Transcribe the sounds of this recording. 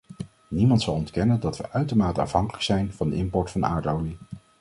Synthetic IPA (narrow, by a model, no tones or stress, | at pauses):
nimɑntsɑlˠɔntkɛnəndɑtʋə̰ʔœɥtəɹmaːtəɑ̰fɦɑŋkələksɛjnv̥ɑndəɪmpɔɹtfɑna̰ːɹtowli